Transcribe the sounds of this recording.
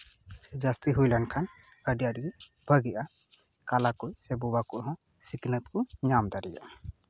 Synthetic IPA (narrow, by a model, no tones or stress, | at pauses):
sɛd͡ʒast̪iɦujlankʰan | əɖijaɾɡi | bʱəɡɛʔa | kalakujsebubakuʔɦɔ̃ | siknət̪̚kuɲamd̪aɾija̰